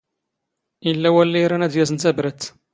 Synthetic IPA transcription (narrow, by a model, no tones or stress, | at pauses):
ilːæwælːæjɾænæd̪jæzənt̪æbɾət̪